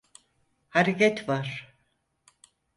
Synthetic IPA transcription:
haɾekɛt̪vaɾ̥

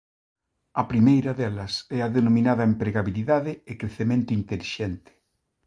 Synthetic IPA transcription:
ɐpɾimejɾɐðɛlɐsɛɐðenomĩnaðɐempɾeɣaβiliðaðɪɪkɾeθemẽnt̪ʊint̪eliʃɛnt̪ɪ̥

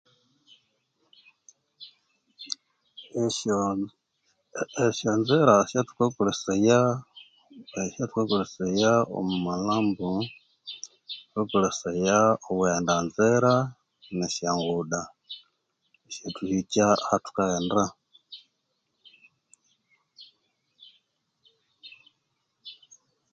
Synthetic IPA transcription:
eʃonzeɾaʃatu̥kakuleseja | ʃatu̥kekulesejao̰mumalaːmbu | wekulesejaoβwendanzeɾa | neʃjaŋɡuda | eʃatuhit͡ʃahatu̥kaenda

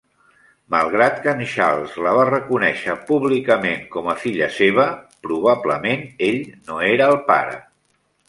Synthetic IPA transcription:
malˠɣɾat̪kənʃa̰lˠzləβ̞arəkunɛʃəpuβlikəmeŋkɔməfiʎəseβ̞əpɾuβ̞abləmeneʎnoeɾəːlˠpa̰ɾə̰

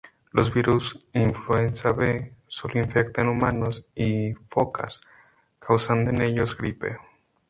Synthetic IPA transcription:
lo̞zβiɾusiɱflue̞nsaβesoloiɱfekt̪aenumãnosifoka̰s | kʰawsand̪oene̞ʎo̞zɡɾipḛ

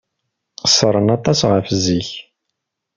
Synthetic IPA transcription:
səɾˤənɑt̪ˤɑsʁəfziç

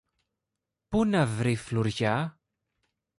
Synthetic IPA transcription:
punɐvɾifluɾʝɐ

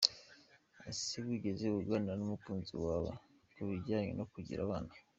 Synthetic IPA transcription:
asibwiːɟezeuβuɡananumukuːnzḭwaːβa̰ | kuβiɾɟaːɲḛnʔo̞kuɟḭɾʔa̰βaːna

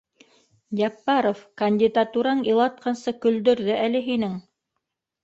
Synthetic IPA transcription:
jɑpːɑɾofkɐnʲdʲid̪at̪uɾɑɴilˠɑt̪̚qʰɑnsɤkɵ̆ld̪ɵ̆ɾðɵʔælɘɦinɘŋ

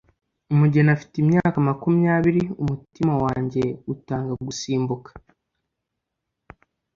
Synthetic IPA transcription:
umuɟenafi̥timɲaːkamakumijaːβiɾiumutimawaːɲɟe̞utaːŋɡaɡusiːmbukḁ

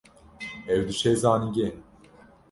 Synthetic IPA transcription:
ɛvd̪iʃɛzaːniɟʲɛ

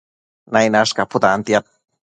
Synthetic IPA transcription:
najnaskapʊt̪aːnt̪jat̪̚

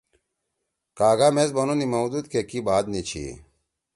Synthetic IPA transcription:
kaːɡamesbɐnunimɐwd̪ud̪̚kekibaːd̪nit͡ɕʰḭ

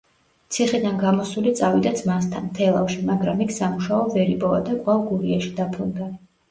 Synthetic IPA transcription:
t̪sʰiχid̪anɡamɔsulit̪sʼavid̪azmast̪ʰanmt̪ʰɛlˠafʃimaɡɾamikʰsamuʃaɔvɛɾipʼɔva̰d̪akʼwavɡuɾiaʃi̥d̪apʰɾund̪a

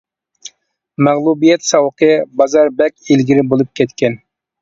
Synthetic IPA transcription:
mæʁlˠubijɛt̪sɑwqʰəbɑzɑɾbɛkʲelɡʲiɾɪbolˠup̚kʲʰɛt̪kʲɛn

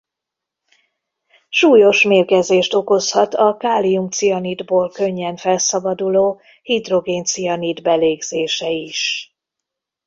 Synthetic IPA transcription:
ʃuːjo̞ʃmeːrkɛzeːʃt̪o̞ko̞shɒt̪ɒkaːlijumt̪sijɒnid̪boːlkø̞ɲːɛnfɛlsɒbɒd̪uloː | hid̪ro̞ɡeːnt̪sijɒnid̪bɛleːɡz̥eːʃɛiʃ

